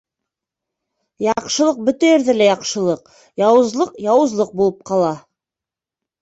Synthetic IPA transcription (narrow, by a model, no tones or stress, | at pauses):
jɑqʃɤ̆lˠɤq̚bɵt̪æjɘɾðɘlæjɑqʃɤ̆lˠɤq | jɑwɤ̆zlˠɤqjɑwɤ̆zlˠɤq̚bulˠɤp̚qɑlˠɑ